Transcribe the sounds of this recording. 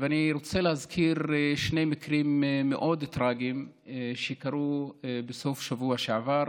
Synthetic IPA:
veaniɾot͡selehazkʰiɾʃnejmikɾimːeʔod̪t̪ɾaɡim | ʃekaɾubesofʃavuaʃeʕavaɾ

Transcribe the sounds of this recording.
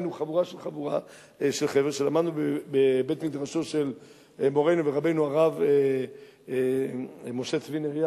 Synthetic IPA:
nuχavuʁaʃelχavuʁa | ʃelχeveʃelamad̪nubebebe̞t̪mid̪ʁaʃo̞ʃe̞l | mo̞ʁe̞jnuveʁabe̞jnuaʁave | mo̞ʃet͡svineʁja

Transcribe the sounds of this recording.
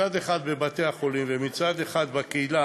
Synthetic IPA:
ad̪eχad̪bebat̪e̞jaχo̞limvemit͡sad̪e̞χad̪bakeila

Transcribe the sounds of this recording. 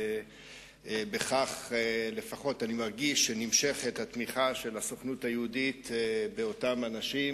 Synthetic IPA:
be̞χaχele̞faχo̞tanimaʁɡiʃːenimʃe̞χethat̪miχaʃe̞laso̞χnuthajeudit̪be̞o̞tamanaʃim

